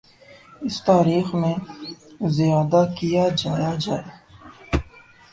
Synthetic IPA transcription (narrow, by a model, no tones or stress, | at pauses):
ɪst̪aːɾiːxmẽ | zijaːd̪akijad͡ʒaːjad͡ʒaːe